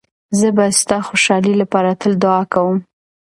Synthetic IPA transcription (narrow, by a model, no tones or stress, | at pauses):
zəbast̪ɑxoʃɑlilapɑɾat̪əld̪ʊɑkawəm